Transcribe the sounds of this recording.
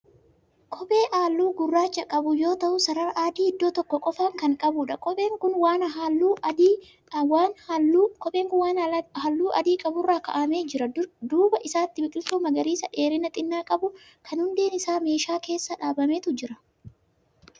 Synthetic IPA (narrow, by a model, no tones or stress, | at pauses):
kʰʼɔpʼe̞ːʔaːlːuːɡʊrːaːt͡ʃːɐkʼɐbʊjo̞ːt̪ɐʔʊsɐɾɐɾʔaːd̪iːɪd̪ːoːt̪ɔkːɔkʼɔfaːŋkɐŋkʼɐbʊːᶑɐkɔeːŋkʊnwaːnɦlːuː | waːnkɔpʼe̞ːŋkʊnwaːnhɐlːuːʔɐd̪iːkʼɐbʊrːaːkɐ̰ʔɐmeːd͡ʒɪɾɐd̪uːbɐʔɪsaːt̪ːɪbɪkʼɪlsuːmɐɡɐɾiːsɐᶑe̞ːɾɪnɐt̪ʼɪnːaːkʼɐbʊ | kʰɐnhʊnd̪e̞ːnɪsaːme̞ːʃaːke̞ːsːɐᶑaːbɐmeːt̪ʊd͡ʒɪɾɐ